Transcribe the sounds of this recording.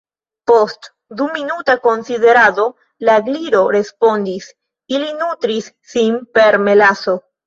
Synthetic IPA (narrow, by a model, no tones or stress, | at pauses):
po̞st | d̪uminutako̞nside̞ɾado̞ | laɡliɾo̞ɾe̞spo̞ndis | ilinut̪ɾisːinpe̞ɾme̞laso̞